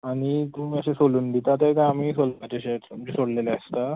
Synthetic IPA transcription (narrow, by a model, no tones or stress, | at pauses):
aɽ̃it̪ũːməɕesoluːnd̪it̪at̪ekaamiːsolat͡ɕeɕeumd͡ʑisoɽleleəst̪a